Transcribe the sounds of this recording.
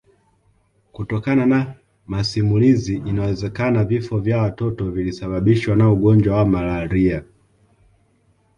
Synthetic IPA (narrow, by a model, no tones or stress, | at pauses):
kutɔkanana | masimuliziʔinawɛzɛkanavifɔvjawatɔtɔvilisaɓaɓiʃwanauɡɔnd͡ʒwawamalaɾia